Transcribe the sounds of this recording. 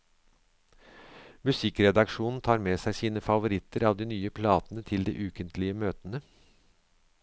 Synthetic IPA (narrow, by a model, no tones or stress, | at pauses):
mʉsɪkɾɛd̪ɑkʂuːnn̩t̪ʰɑːɾmesæɪsiːnəfɑʋʊɾɪt̪əɾɑːʋd̪iːnyːəpʰlɑːt̪ənət̪ʰɪld̪ɛ̰ːʔʉːkənt̪ʰlɪəmøːt̪ənə